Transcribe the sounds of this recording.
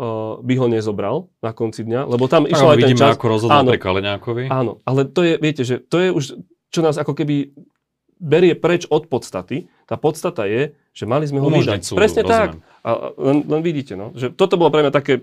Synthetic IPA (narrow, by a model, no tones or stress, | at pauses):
biɦɔɲɛzɔbɾalnakɔnt͡sid̪ɲalɛbɔt̪amiʃɛlajiɛiːmt͡ʃaakɔɾɔzɦɔd̪aːnɔɾikalɛɲaːkɔʋiaːnɔ̰ʔalɛt̪ɔjɛʋɪɛcɛʒɛt̪ɔjɛuʃ | t͡ʃɔnaːzakɔkɛbi | bɛɾɪɛpɾɛt͡ʃɔt̪pɔt̪st̪at̪i | t̪aːpɔt̪st̪at̪ajɛ | ʒ̥ɛmalizmɛɦɔid̪apɾɛsɲɛt̪ak | a̰lɛnlɛnʋiɟiːcɛnɔʒɛt̪ɔt̪ɔbɔlɔpɾɛmɲat̪akɛː